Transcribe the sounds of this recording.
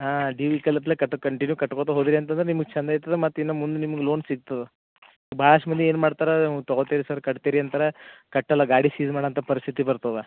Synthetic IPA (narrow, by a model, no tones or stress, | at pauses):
ɦaːɖiːʋikɐlɐplekɐʈːkɐɳʈinjukɐʈːkoːt̪ɐɦod̪iɾiɐnt̪̬ɐnd̪ɾenimɐɡɐt͡ʃʰɐnd̪ɐjit̪ːɐðemɐt̪ːuinːɐmund̪unimɐɡɐloːnsiɡ̚t̪ɐðe | bʱaːɭɐʂʈɐmɐnd̪eeːnmaːɽt̪aːɾɐnt̪ɔɡot̪iɾisɐɾkɐʈt̪iːɾiɐnt̪ɐɾekɐʈːɛlːɐɡaːɽisiːzmaːɽɐnt̪ʰɐpɐɾist̪ʰit̪ibɐɾt̪ɐʋe